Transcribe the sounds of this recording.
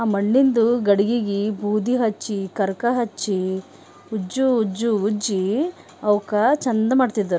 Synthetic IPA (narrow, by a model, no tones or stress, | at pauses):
aːmɐɳːind̪uɡɐɽiɡiɡibʱuːd̪iɦɐt͡ʃːikɐɾkɐɦɐt͡ʃːi | ud͡ʒuːd͡ʒuud͡ʒi | ɐwkɐt͡ʃɐnd̪ɐmaːɖt̪id̪ːɐɾ